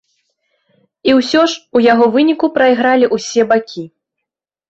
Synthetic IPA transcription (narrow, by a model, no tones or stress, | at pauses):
iwsʲɔʂujaɣɔvɨnʲikupɾɐjɣɾalʲiʔusʲɛbakʲʰi